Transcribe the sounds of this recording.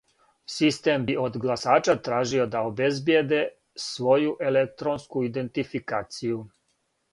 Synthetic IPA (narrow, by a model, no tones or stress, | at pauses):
sist̪e̞mbio̞d̪ɡlˠasaːt͡ʃat̪ɾaːʒio̞d̪aobe̞zbjed̪e̞ | sʋo̞juʔelek̚t̪ɾonskuid̪e̞nt̪ifikaːt̪siju